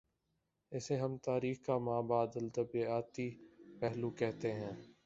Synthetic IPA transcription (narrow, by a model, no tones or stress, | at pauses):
ɪseɦəmt̪aːɾiːxkaːmaːbaːd̪əlt̪əbeaːt̪ipɛɦluːkɛɦt̪eɦɛ̃ː